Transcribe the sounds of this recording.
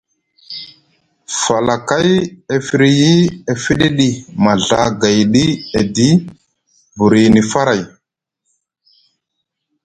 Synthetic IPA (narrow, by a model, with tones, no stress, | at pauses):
fa˨la˨ka˦je˨fi˨ɾi˦ji˦e˨fi˦ɗe˦ɗi˦ma˨ɮa˨ɡa˨jɗi˦e˨di˦ | bu˨ɾi˨ni˨fa˦ɾa˨j